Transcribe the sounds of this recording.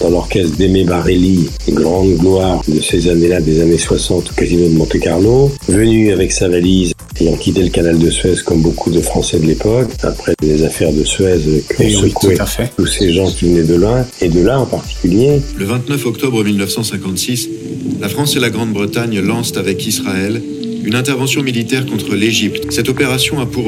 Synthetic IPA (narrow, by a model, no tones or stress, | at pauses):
d̪̥ɑ̃lɔʁkʲɛst̪d̪emebaʁeli | ɡʁʁɑ̃d̪ɡlwaʁd̪əsezanelad̪ezaneswasɑ̃t̪kazinõd̪əmɑ̃t̪ɛkaʁnovənyavɛksavaliz | ejɑ̃kʲit̪eləkanald̪əsɥɛzkɔmbokʰud̪əfχɑ̃sɛd̪əlepɔka̰pχɛlezafɛʁd̪əsɥɛzkəɔ̃səkwɛt̪useʒɑ̃kʲivənɛd̪əlwɛ̃ed̪əlaɑ̃paʁt̪i̥kʲyljeləvɛ̃t̪nœfɔkt̪ɔbʁəmilnəfsɑ̃sɛ̃kɑ̃t̪sis | lafχɑ̃selaɡʁɑ̃d̪bʁət̪aɲlɑ̃st̪avɛkisχaɛl | ynɛ̃t̪ɛʁvɑ̃sjɔ̃milit̪ɛʁkɔ̃t̪χəleʒipt̪sɛt̪ɔpeʁasjɔ̃apuʁ